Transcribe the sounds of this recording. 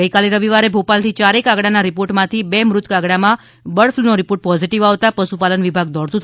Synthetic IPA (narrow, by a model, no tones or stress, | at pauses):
əjkaliɾəʋiʋaɾebʱopalt̪ʰit͡ʃaɾekaɡɽanaɾipoɾʈmãt̪ʰibemɾʊt̪kaɡɽamã | bəɽfʰlunoɾipoɾʈ̚pɔziʈiʋaʋt̪apəʃupalənʋibʱaɡ̚d̪ɔɽt̪ũt̪ʰ